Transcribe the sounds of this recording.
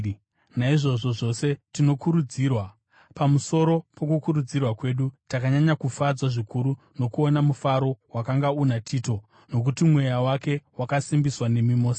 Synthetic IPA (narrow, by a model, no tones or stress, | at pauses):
naiʐo̞ʐo̞ʐo̞se̞tino̞kuɾud͡ziːrwa | pamuso̞ɾo̞po̞kukuɾud͡zirwakwe̞ːɗutakaɲaɲakufad͡zwaʐikuɾu | no̞kuo̞namufaɾo̞wakaŋɡaunatʰiːto̞ | no̞k̬utimwe̞jawake̞wakasimbiswane̞mimo̞ːsa